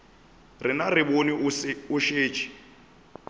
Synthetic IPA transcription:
rɪnarɪboniʊʃeːt͡ʃʰʼi̥

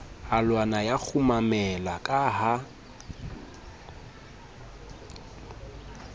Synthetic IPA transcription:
alwanajak͡xʰumamɛlakʼaɦa

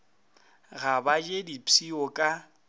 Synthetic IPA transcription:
ɣabad͡ʒedipʰiɔkʼa

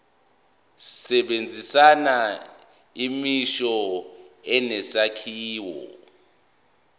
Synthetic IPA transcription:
sɛɓend͡zʱisana | imiʃɔ | ɛnɛsakʰiːwɔ̰

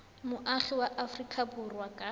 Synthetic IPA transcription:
mʊʔaχɪwaʔafrikʰʼabʊrwakʼa

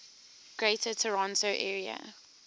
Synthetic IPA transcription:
ɡ̥ɹeɪtʰətʰəɹɔ̃ntʰoʊʔɛːɹiə̰

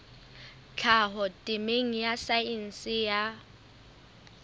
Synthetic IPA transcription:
t͡ɬʰaɦɔtʼɪmeŋ̩jasain̩sɪja

